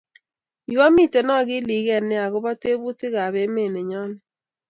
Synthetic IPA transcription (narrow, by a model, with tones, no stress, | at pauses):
jwa˦mi˦˨te˨nɔ˦˨ɡɪ˦li˨ɣɛ˨nːɪ˦a˨ɣʊ˦bɔ˦te˦bu˦tɪ˦ɣa˨βe˦me˨ne˨ɲɔ˦nɪ˦